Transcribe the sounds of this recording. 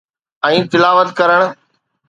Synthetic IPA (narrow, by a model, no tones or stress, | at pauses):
ɛ̃ːt̪ɪlaːʋət̪kəɾəɽ̃